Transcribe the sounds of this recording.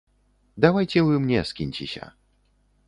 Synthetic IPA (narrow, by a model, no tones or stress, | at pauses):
d̪awajt͡ɕɛvɘmɲɛskʲiɲʲt͡ɕḭɕɛ̰